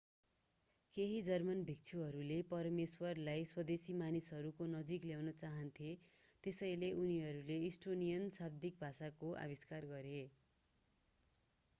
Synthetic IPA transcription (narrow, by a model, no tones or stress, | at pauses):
keɦid͡zʌrmʌnbʱik̚t͡sʰuɦʌɾulepʌrmeswʌrlajswʌd̪esimanisɦʌɾukonʌd͡zikljawnʌt͡saɦʌnt̪ʰjet̪esʌjleʔuniɦʌɾuleisʈonijʌnsab̚d̪ik̚bʱasakoʔa̰biskarɡʌɾe